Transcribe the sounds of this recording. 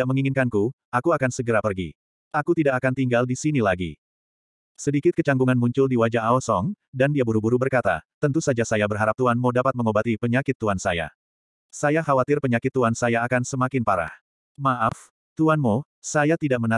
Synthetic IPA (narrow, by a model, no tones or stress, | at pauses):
aʔ̚məŋiŋɪnkanku | akuakansəɡəɾapərɡḭ | ʔakut̪idakakant̪iŋɡaldisinilaɡḭ | sədikɪt̪̚kət͡ʃaŋɡuŋanmuɲt͡ʃʊldiwad͡ʒaɦaɔsɔŋ | dandiabuɾubuɾubərkat̪a̰t̪ənt̪usad͡ʒasajabərɦaɾap̚t̪uanmodapat̪̚məŋobat̪ipəɲakɪt̪ːuansaja̰ | sajahawat̪ɪrpəɲakɪt̪ːuansajaːkansəmakɪnpaɾa̰h | maʔaf | t̪uanmo | sajat̪idaʔ̚məna